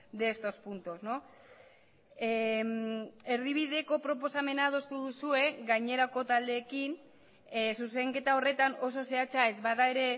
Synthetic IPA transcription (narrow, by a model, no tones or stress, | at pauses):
d̪est̪o̞spunt̪osno̞ | me̞ɾðiβ̞iðe̞ko̞pɾo̞p̬o̞same̞nað̞o̞st̪uðusue̞ɡajɲe̞ɾako̞t̪ald̪e̞ːkin | suse̞ŋke̞t̪ao̞re̞t̪ano̞s̬o̞se̞at͡sae̞zβaðae̞ɾe̞